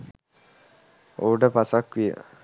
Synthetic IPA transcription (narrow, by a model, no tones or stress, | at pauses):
oːɖəpasakʋijə̰